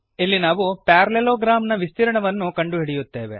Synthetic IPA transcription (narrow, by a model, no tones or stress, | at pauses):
ilːinaːʋupaːɾleloːɡɾaːmnɐʋist̪iɾɐɳɐʋɐnːukɐɳɖuɦiɽijut̪ːeːʋe̞̰